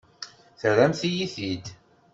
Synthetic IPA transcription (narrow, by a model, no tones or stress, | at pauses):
θəɾæmθijiθid̪